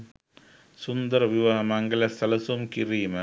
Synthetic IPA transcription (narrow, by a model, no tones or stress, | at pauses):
sund̪ɐɾʋiʋaɦɐmɐŋɡɐlɐst̪ʰɐlɐsumkiriːmɐ